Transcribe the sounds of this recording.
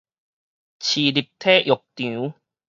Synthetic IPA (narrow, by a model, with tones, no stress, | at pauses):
t͡ɕʰi˨˩li˨˩p̚t̪ʰe˦ʔjo˨˩k̚t̪ũ˨˦